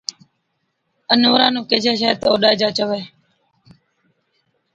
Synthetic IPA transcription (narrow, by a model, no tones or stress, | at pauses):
ənoːɾãːnũːkeːd͡ʒeːʃaːt̪oːɗaːɪd͡ʒaːt͡ʃəʋeː